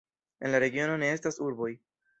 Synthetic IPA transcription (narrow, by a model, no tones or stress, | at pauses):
e̞nlaɾe̞ɡio̞no̞ne̞e̞stasuɾbo̞j